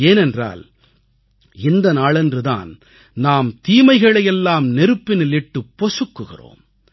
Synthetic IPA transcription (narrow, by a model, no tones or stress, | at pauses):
eːnɛndra̰ːl | ɪnd̪ɐnaːɭɛndrɯða̰ːn | naːmt̪iːmɐɪɣɐɭɐjɛlːaːmnɛɾɯpːɪnɪlɪʈːɯpːɔsɯkːɯɣɪ̰ro̰ːm